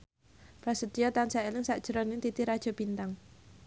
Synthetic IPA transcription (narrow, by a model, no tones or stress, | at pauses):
b̥ɾasəd̪ijɔt̪ansaelɪŋsaʔd̥ʒ̥əɾɔnɪŋt̪it̪iɾad̥ʒ̥ɔ̤b̥int̪aŋ